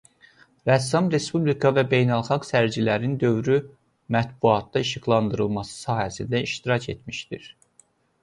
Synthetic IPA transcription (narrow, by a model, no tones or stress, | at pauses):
ɾæsɑmɾe̞spublikʰɑvæbe̞jnælˠχɑɡsæɾd͡ʒilæɾind̪ø̞vɾy | mæt̪buɑt̪̚d̪ɑiʃiɡlˠɑnd̪ɯɾɯlˠmɑsɯ̥sɑːhæsind̪æiʃt̪iɾɑcʰe̞̰t̪miʃd̪iɾ